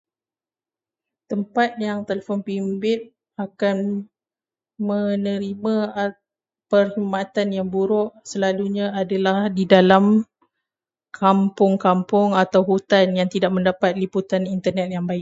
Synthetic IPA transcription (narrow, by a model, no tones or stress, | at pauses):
t̪əmpat̪̚jaŋt̪elefɔnpimbɪt̪̚ | akan | mənəɾimãa | pərhimat̪anjaŋbuɾɔʔsəlaluɲãadalahdidalam | kʰampʊŋkampʊŋat̪awɦut̪anjaŋt̪idaʔ̚mə̃ndapat̪̚liput̪anint̪ərnɛt̪̚jaŋbaɪk̚